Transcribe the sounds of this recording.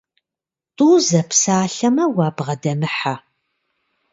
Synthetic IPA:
tʼuːzɐpsaːɬɐmɐwɑːbʁɐdɐmɨħa

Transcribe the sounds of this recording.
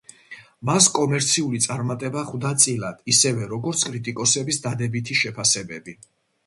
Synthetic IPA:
maskʼɔmɛɾt̪sʰiulit̪sʼaɾmat̪ʼɛbaχvd̪at̪sʼilad̪̥isɛvɛɾɔɡɔɾt̪sʰkʼɾit̪ʼikʼɔsɛbisd̪ad̪ɛbit̪ʰiʃɛpʰasɛbɛbi

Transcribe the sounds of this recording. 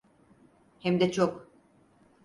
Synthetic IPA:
hɛmd̪ɛt͡ʃʰok

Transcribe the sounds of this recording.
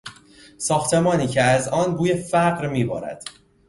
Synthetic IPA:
sɒːxt̪ʰe̞mɒːniːcʰeæzɒːnbuːjefæɢɾmiːbɒ̰ːɾæ̰d̪̥

